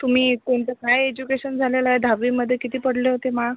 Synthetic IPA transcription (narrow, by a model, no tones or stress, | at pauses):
t̪um̤iːkoɳt̪əkajed͡ʑukeɕənd͡zʱalelajed̪ʱaʋiːməd̪ʱːjekit̪iːpəɽleɦot̪eməɭa